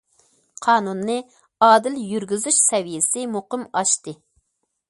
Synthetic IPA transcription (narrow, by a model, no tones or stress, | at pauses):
qʰɑːnunːɨ | ɑːd̪ɪljyɾɡʲyzyʃsɛvijɪsɪmoqəmɑʃt̪ɨ